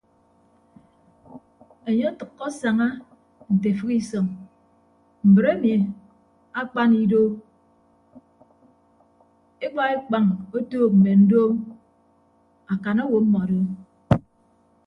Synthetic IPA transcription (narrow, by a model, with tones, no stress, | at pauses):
e˨ɲe˦a˦tɨ˨kːɔ˦sa˨ŋa˦ | n̩˨te˨fɨ˦ki˦sɔ˨ŋ | m̩˨bɨ˨ɾe˦mi˨ | a˦k͡pa˦ni˦do˦ | e˦k͡pa˦e˦k͡pa˨ŋo˦toː˦m̩˨me˨n̩˦do˦m | a˨ka˨no˦wo˨˦m̩˦mɔ˨a˨do˦